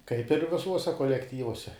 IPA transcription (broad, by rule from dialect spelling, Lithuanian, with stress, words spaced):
kɐɪp ɪr ʋʲɪˈsuɔsʲɛ koːlʲɛkˈtʲiːʋuɔsʲɛ